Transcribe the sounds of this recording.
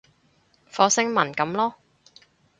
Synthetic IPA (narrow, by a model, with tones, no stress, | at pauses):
fɔː˨˧˥sɪ˥ŋmɐ˨˩nkɐ˨˥mlɔː˥